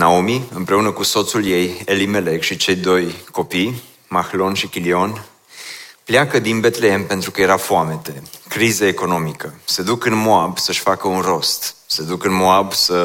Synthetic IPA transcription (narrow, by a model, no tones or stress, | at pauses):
naomiɨmpɾe̞unəkuso̞t̪sulje̞je̞lime̞lekʃit͡ʃe̞jd̪o̞jko̞pij | maxlo̞nʃikʲilio̞n | pljakəd̪inbe̞t̪le̞empe̞nt̪ɾukəje̞ɾafoame̞t̪e̞kɾizeeko̞no̞mikəse̞d̪ukɨnmoabsəʃʲfakəunro̞st̪se̞d̪ukɨnmo̞absə